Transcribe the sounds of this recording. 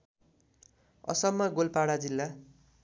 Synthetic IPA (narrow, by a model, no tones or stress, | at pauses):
ʌ̰sʌmːʌɡolpaɽad͡zilːa